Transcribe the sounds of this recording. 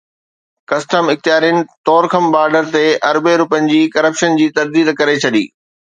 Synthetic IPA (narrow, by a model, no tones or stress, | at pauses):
kɐsʈəmɪxt̪ijaːɾiənɪ̆t̪ɔːɾxʰəmbaːɾɖəɾt̪eʔɐɾbeɾʊpənɪ̆d͡ʑiːkɐɾəpʃənd͡ʑiːt̪ɐɾd̪iːd̪kɐɾet͡ɕʰɐɗḭː